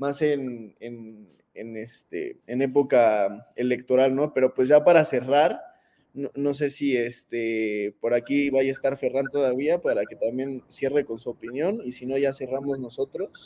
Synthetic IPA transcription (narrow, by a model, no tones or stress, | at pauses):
mase̞nen | ḛne̞st̪ḛene̞p̬o̞kae̞le̞kt̪o̞ɾalno̞pe̞ɾo̞pwe̞szʝapaɾase̞raɾ | nono̞s̬e̞siest̪epo̞ɾakiβajaest̪aɾfe̞rand̪t̪oðaβ̞iapaɾake̞t̪ambje̞nsje̞re̞ko̞nsuopinjo̞nisino̞ʝase̞ramo̞zno̞so̞t̪ɾo̞s